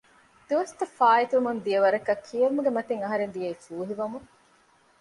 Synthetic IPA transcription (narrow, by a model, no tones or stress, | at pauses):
d̪̥iʋɐst̪ɐfaːit̪uumund̪iɐʋɐɾɐkɐkʰːiɐɾumuɡemɐt̪eŋɐɦɐɾend̪ijeːfuːɦiʋɐmu